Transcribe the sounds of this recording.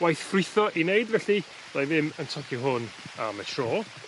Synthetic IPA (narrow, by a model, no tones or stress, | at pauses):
wajθfrɪθɔʔinejdvɛɬi̥ | ajvɪməntʰɔkʰiɦʊnamətʰroː